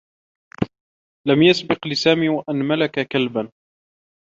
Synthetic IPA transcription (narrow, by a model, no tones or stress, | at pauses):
lamjasbɪqlɪsaːmiːwaʔanmalakakalban